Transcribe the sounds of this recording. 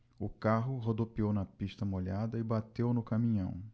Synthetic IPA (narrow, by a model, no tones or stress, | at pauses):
ʊkaɦʊɦod̪opiownɐpiʃt̪ɐmoʎad̪ɐɪbat̪ewnʊkamĩɲɐ̰̃w̃